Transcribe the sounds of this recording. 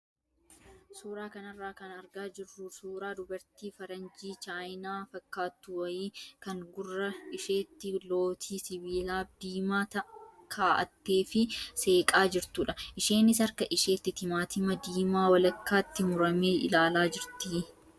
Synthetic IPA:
suːɾaːkɐnɐrːaːkɐnɐɾɡaːd͡ʒɪrːʊsuːɾaːd̪ʊbɐɾt̪iːfɐɾɐnd͡ʒiːt͡ʃaːjnaːfɐkːaːt̪ːʊwɐjiːkɐŋɡʊrːɐɪʃeːt̪ːɪlo̞ːt̪ʰiːsɪbiːlaːb̚d̪iːmaːt̪ɐkʰaːʔɐ̰t̪ːeːfɪse̞ːkʼaːd͡ʒɪɾt̪uːᶑɐʔɪʃe̞ːnɪsɐɾkɐʔɪʃe̞ːt̪ːɪt̪ɪmaːt̪ɪmɐd̪iːmaːwɐlɐkːaːt̪ːɪmʊɾɐmeːʔɪ̰laːlaːd͡ʒɪɾt̪i

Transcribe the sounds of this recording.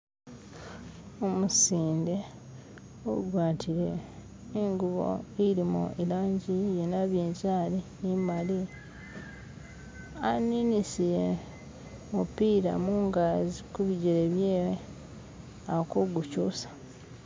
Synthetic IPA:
omusiːnde̞ | oɡwaːtʰiɾe̞ː | ŋɡuβo̰iɾimṵilaːɲɟijenaβiːɲzaːlinimali | aninisije | mupiːɾa̰muŋɡaːzikuβiɟeɾeβjeːwe | akoɡucuːsḁ

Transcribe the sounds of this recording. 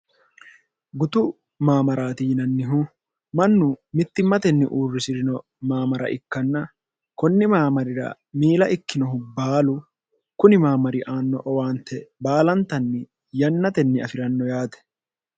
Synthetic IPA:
ɡʊt̪ʊ | maːmɐɾaːt̪ɪjɪnɐnːɪɦʊ | mɐnːʊmɪt̪ːɪmːɐt̪ɛnːɪ̰ʔuːrːɪsɪɾɪnɔ | maːmɐɾɐ̰ʔɪkːɐnːɐ | kɔnːɪmaːmɐɾɪɾɐ̰ | miːlɐʔɪkːɪnɔɦʊbaːlʊ | kʊnɪmaːmɐɾɪʔaːnːɔʔɔwaːnt̪ːɛbaːlɐnt̪ːɐnːɪ | jɐnːɐt̪ɛnːɪɐfɪɾɐnːɔjaːt̪ɛ̥

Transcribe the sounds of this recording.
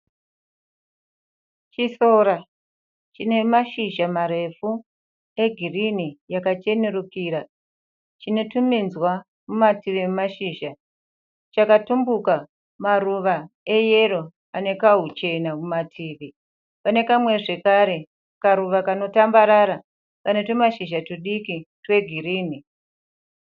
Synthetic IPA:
t͡ʃisoɾa | t͡ʃine̞maʃiʒamaɾe̞fu | eɡʱirinijakat͡ʃe̞neɾukiːɾa | t͡ʃino̞tuminzwa | mumatiʋimaʃiːʒa | t͡ʃakatumbuka | maruʋaeje̞ɾo̞ | ane̞kaɦut͡ʃe̞nakumatʰiːʋi | pane̞kamwe̞ʐe̞kaɾe̞ | kaɾuʋakano̞tambaɾaɾa | kane̞to̞maʃiʒatuɗikitwe̞ɡʱiriːni

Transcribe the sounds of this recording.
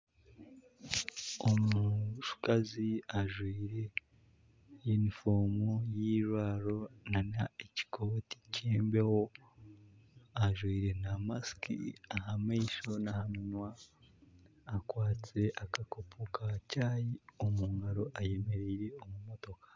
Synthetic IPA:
omuʃu̥kaziaʒwiːɾe̞ | jenifo̞ːmojiːɾwaːɾo̞nanaeci̥kʰoːti̥cʰeːmbeho̞ | aʒwiːɾe̞namaskḭahameʃonahaminwa | kwaːt͡se̞ʔakakopʰukʰacaːjiomuŋɡaɾo̞ʔaje̞me̞ɾeɾe̞omumo̞to̞kḁ

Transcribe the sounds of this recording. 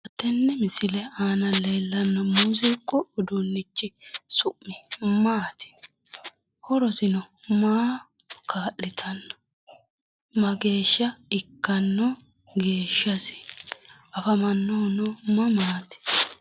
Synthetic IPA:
ɐt̪ːɛnːɛmɪsɪlɛaːnɐleːlːɐnːɐmuzɪkʼːɔːd̪ʊnːɪt͡ʃːɪsʊʔːɪmaːt̪ɪ̥ | hɔɾɔsɪnɔ | maː | kaːʔːɪt̪ʰɐnːɐ̥ | mɐɡe̞ːʃːɐɪkːɐnːɔ | ɡe̞ːʃːɐsɪ̥ | ɐfɐmɐnːɔnɔmɐmaːt̪ɪ̥

